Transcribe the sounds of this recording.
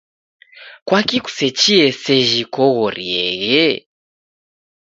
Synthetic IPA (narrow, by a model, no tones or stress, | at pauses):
kwakiku̥sɛt͡ʃiɛsɛʒikɔɣɔɾiɛɣɛ